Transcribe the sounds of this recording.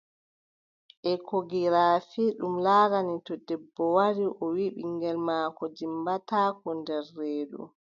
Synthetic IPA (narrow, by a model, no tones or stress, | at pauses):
ʔɛkoɡiɾaːfiɗumlaːɾanitɔdɛbːɔwaɾiʔɔwiɓḭŋɡɛlmaːkɔd͡ʒimbatakɔndɛɾːeːɗṵ